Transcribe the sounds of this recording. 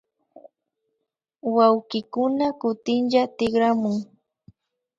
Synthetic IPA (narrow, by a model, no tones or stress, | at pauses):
wawkɪkʊnakʊt̪ɪnʎat̪ɪɡɾamʊŋ